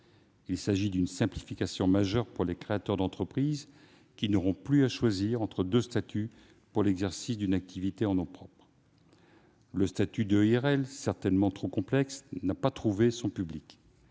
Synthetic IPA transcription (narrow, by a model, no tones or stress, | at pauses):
ilsaʒid̪ynsɛ̃plifikasjɔ̃maʒœʁpuʁlekχeat̪œʁd̪ɑ̃t̪χəpχiz | kʲinɔʁɔ̃plyaʃwaziʁɑ̃t̪χəd̪øst̪at̪ʰy | puʁlɛɡzɛʁsisd̪ynak̚t̪ʰivit̪eɑ̃nɔ̃pχɔpχ | ləst̪at̪yd̪øɛʁɛlsɛʁt̪ɛnmɑ̃t̪χokɔ̃plɛksnapat̪χuvesɔ̃pyblik